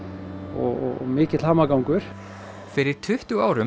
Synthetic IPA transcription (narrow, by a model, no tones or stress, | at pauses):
ɔɣɔɣɔmɪːcɪt̪lhaːmakawŋkʏɾ̥ | fɪɾɪɾ̥t̪ʰʏht̪ʏaːwɾʏ